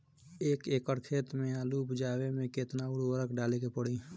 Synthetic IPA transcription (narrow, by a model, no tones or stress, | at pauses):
eːkeːkəɾkʰeːt̪mẽaːlubʊd͡ʒaːwemẽket̪naʊɽwəɾəkɖaːlekepəɽiː